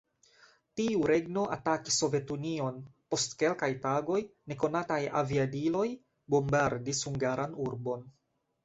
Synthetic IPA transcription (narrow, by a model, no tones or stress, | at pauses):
tiuɾe̞ɡno̞ʔataki̥sːo̞ve̞tunio̞npo̞stke̞lkajtaɡo̞jne̞ko̞nataja̰viadilo̞j | bo̞mbaɾdishuŋɡaɾanuɾbo̞n